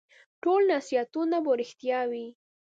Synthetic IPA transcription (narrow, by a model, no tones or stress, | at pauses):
ʈolnasijat̪unaboɾɪxt̪jɑwi